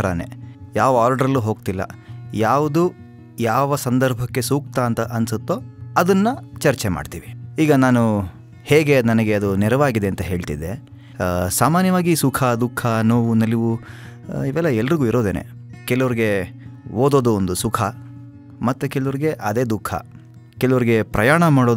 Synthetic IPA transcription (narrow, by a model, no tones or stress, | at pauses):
ɐɾɐ̰nḛjaːʋɐaːɾɖɐɾɐlːuɦo̞ːɡ̚t̪ilːɐ̰jaːʋud̪u | jaːʋɐsɐnd̪ɐɾbʱɐkːe̞suːk̚t̪aːnt̪ɐʔɐnsut̪ːoɐd̪ɐnːɐt͡ʃɐɾt͡ʃema̰ːɖt̪ḭːʋiiːɡɐnaːnu | heːɡe̞nɐnɐɡe̞ɐd̪unɛɾɐʋaːɡid̪e̞ɐnt̪ɐɦe̞ːɭt̪id̪e | saːmaːnjɐʋaːɡisukʰɐd̪ukʰːɐnoːʋunɐliʋu | iʋɛlːɐɛlːɐɾiɡuːiɾo̞ːd̪eːnḛ | kɛlɐʋɐɾiɡe̞oːd̪o̞ːd̪uond̪usukʰɐ | mɐt̪ːukɛlɐʋɐɾiɡe̞ʔɐd̪e̞ːd̪ukʰːɐ̰ | kɛlɐʋɐɾiɡe̞pɾɐjaːɳɐmaːɽo